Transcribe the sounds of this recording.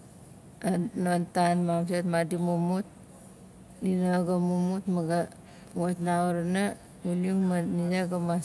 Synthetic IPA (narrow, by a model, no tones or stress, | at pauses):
anont̪anmamsat̪̚madimumut̪̚ | ninaɡamumut̪̚maɡa | wat̪nauɾna | uluŋmanijaɡama